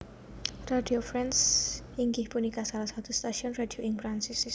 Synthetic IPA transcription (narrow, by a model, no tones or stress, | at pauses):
radiofɾɛns | iŋɡɪhpunikasalasat̪ust̪aʃiɔnradioɪŋfɾansɪs